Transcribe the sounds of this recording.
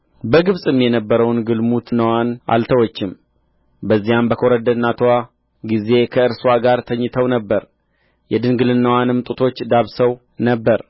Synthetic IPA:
bəɡɨβsʼɨmjɛnəbːəɾəwnɡɨlmut̪nːəwanʔa̰lt̪ʰəwot͡ʃːɪm | bəzːijambəkʰoɾəd̪ənːat̪ʰowa | ɡize̞kʰəɨɾswaɡaɾt̪ʰəɲːɨt̪ʰəwnəbːəɾ | jɛd̪ɨnɡɨlɨnːəwanɨmt̪ʼut̪ʰo̞t͡ʃːd̪aβsəw | nəbːəɾ

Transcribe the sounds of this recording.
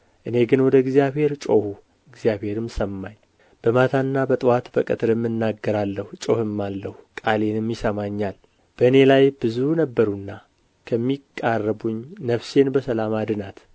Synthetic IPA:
ʔɨne̞ɡɨnwɔd̪əɪɡzijaβhe̞ɾt͡ʃʼo̞hu | ɪɡzjaβhe̞ɾɨmsəmːaɲ | b̥əmat̪ʰanːabət̪ʼɨwat̪bəkʼɨt̪ʼɨɾɨmːɨnːaɡːəɾalːəhut͡ʃʼo̞hɨmːalːəhukʼale̞nɨmjɪsəmaɲːal | b̥əɨne̞lajb̥ɨzunəbːəɾunːa | kʰəmːikʼːarːəbuɲnəfse̞nbəsəlamad̪ɨnat̪

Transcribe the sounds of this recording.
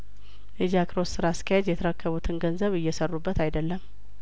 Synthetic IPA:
ʔed͡ʒakʰɾossɨɾask̪ʰəjad͡ʒjɛt̪ʰəɾəkːəβut̪ʰɨnɡənzəβɨjːɛsərːubːət̪ajd̪əlːəm

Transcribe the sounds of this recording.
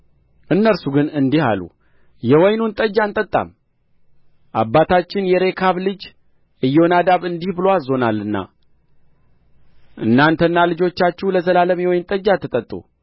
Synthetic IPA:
ʔɨnːəɾsuɡɨnɨnd̪iha̰lṵ | jɛwɔjnunt̪ʼəd͡ʒant̪ʼət̪ʼːa̰m | ʔa̰bːat̪ʰat͡ʃːɪnjɛɾe̞kʰaβlɨd͡ʒ | ʔɨjːonad̪aβɨnd̪ihbɨloazo̞nalːɨnːa̰ | ʔɨnːant̪ʰənːalɨd͡ʒo̞t͡ʃːat͡ʃːɛwləzəlaləmjwɔjnt̪ʼəd͡ʒat̪ʰːɨt̪ʼət̪ʼːṵ

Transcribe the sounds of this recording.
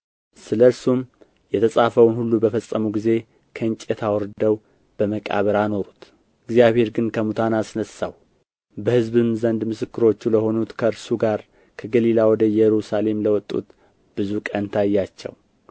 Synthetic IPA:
sɨləɨɾsum | jɛt̪ʰəsʼafəwnhulːubəfəsʼːəmuɡize̞ | kʰəɨnt͡ʃʼet̪ʰawɔɾd̪əw | b̥əməkʼa̰βəɾano̞ɾut̪ | ɨɡzijaβhe̞ɾɡɨnkʰəmut̪ʰanasnəsa̰w | bəhɨzβɨmzənd̪mɨsɨkːɨɾo̞t͡ʃːuləho̞nut̪kʰəɨɾsuɡaɾ | kʰəɡəlilawɔd̪əjɛɾusale̞mləwɔt̪ʼːṵt̪ | b̥ɨzukʼənt̪ʰajːat͡ʃːɛ̰w

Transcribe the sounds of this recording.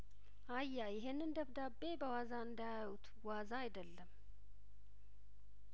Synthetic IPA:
ʔajːajɪɦenːɨnd̪əβd̪abːebəwazaɨnd̪ajawut̪ | wazaːjd̪əlːəm

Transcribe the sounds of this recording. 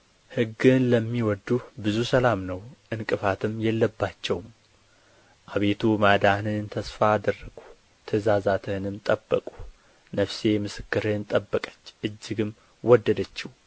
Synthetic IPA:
hɨɡːɨnləmːiwɔd̪ubɨzusəlamnəwʔɨnkʼɨfat̪ʰɨmjɛlːəbːat͡ʃːɛwm | ʔaβe̞t̪ʰumad̪anɨnt̪ʰəsfaːd̪ərːəɡu | t̪ʰəzazat̪ʰɨnɨmt̪ʼəbːəkʼu̥ | nəfse̞mɨsɨ̥kːɨɾɨnt̪ʼəbːəkʼə̥t͡ʃːʔɨd͡ʒːɪɡɨm | wʔɔd̪ːəd̪ət͡ʃːiw

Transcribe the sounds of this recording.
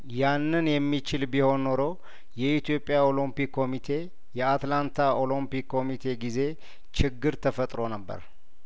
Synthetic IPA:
janːɨnjɛmːit͡ʃɪlbiho̞nːoɾo | jɛit̪jo̞pʼːjao̞limpikːo̞mit̪ʰe̞ | jɛat̪lant̪ʰaʔo̞lompikːo̞mit̪ʰe̞ɡize̞ | t͡ʃɪɡːɨɾt̪ʰəfət̪ʼɾo̞nəbːə̰ɾ

